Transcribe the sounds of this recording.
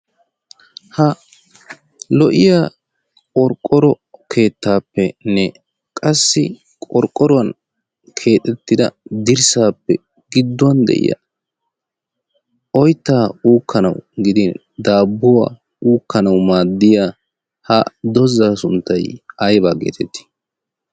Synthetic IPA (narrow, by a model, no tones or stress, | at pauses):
hɐ | lɔʔɪjaː | kʼɔɾkʼːɔɾɔ | kʰe̞ːt̪ːaːpːɛnːɛ | kʼɐsːɪ | kʼɔɾkʼːɔɾɔwɐn | kʰe̞ːt̪ʼːɛt̪ːɪd̪ɐd̪ɪɾsaːpːɛ | ɡɪd̪ːʊwɐnd̪ɛ̰ʔɪ̰jɐ̰ | ɔjt̪ːaːuːkːɐnɐ̰wɡɪd̪ɪn | d̪aːbːʊwa̰ː | uːkːɐnɐwmaːd̪ːɪja | hɐ̰d̪ɔzaːsʊnt̪ːɐjɐjbaːkḛːt̪ʰɛt̪ːi̥